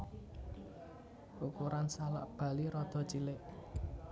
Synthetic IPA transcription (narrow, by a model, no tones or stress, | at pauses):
ʔukuɾansala̰ʔb̥a̤liɾɔd̪̥ɔ̤t͡ʃilɪʔ